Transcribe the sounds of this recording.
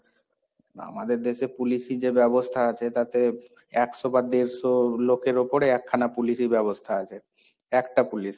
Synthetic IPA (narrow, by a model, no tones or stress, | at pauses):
a̰mad̪eɾd̪eʃepuliʃid͡ʑebɛbost̪ʰaat͡ɕʰet̪at̪e | ɛkʃobad̪eɾsolokeɾopoɾeɛkʰːanapuliʃiɾbɛβost̪ʰaat͡ɕʰe | ɛkʈapuliʃ